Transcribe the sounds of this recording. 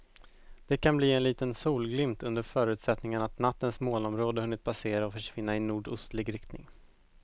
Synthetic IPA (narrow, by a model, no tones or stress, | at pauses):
d̪̥ɛkʰanbliːɛnliːt̪ənsuːlɡlʏmt̪ʰɵnd̪əɾfœːɾʉ̟ːt̪sɛt̪nɪŋənat̪nat̪ːənsmoːlɔmɾoːd̪əhɵnːɪt̪̚pʰaseːɾaɔfœʂvɪnːaɪnuːɖɵst̪lɪɡɾɪk̚t̪nɪ̰ŋ